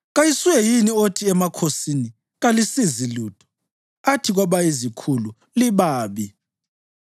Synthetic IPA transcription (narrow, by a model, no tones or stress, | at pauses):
ɣajisuwɛjiniotʰiɛmakʰosini | ɣalisiziluːtʰɔ̥ | atʰiɣwaβaizikʰulu | liβaːβi